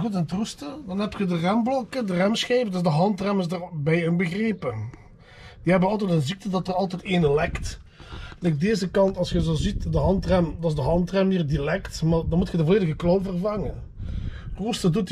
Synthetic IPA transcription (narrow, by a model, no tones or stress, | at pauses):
ɣutənətrustədɑnɦɛp̚txədərɛmblɔkədərɛmsxejvədzdəɦɑntrɛmɪzdərbɛjənbəɣreːpə | d̥iɦɛbənɑlˠt̬ɛtənzik̚tədɑtərɑlˠtɛteːnəlɛkt | lɛk̚deːzəkɑntɑlˠsxəzoːzitdəɦɑntrɛmdɑzdəɦɑntrɛmiːrdilɛktmaːdɑnmutxədəvoleːdəɣəklowvərvɑŋən | rustədut